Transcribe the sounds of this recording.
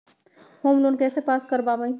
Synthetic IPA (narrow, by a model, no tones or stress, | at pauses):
homlonkɛsepaskəɾbabəj